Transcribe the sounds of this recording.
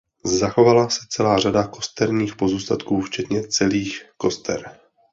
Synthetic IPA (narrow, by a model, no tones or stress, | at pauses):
zaxo̞valasɛt͡sɛlaːr̝adako̞st̪ɛɾɲiːxpo̞zuːst̪at̪kuːft͡ʃɛt̪ɲɛt͡sɛliːxko̞st̪ʰɛ̰ɾ